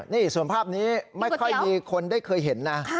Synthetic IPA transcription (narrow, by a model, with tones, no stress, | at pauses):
niː˥˩su˨˩˦ənpʰaː˥˩p̚niː˦˥maa˥˩jkʰɔ˥˩jmiː˧kʰo˧ndaː˥˩jkʰɤː˧jɦe˩˦nːa˦˥